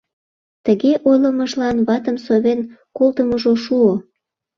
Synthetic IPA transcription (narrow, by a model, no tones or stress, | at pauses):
t̪əɣeʔojləməʒlɑnβɑt̪əmsoβenkolˠt̪əməʒoʃuo